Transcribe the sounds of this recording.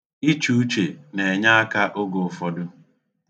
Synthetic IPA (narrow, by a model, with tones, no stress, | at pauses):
i˦t͡ʃu˦u˦t͡ʃe˨ne˨ɲa˦a˦ka˦ʔʊ˦ɡo˨fɔ˨dʊ˦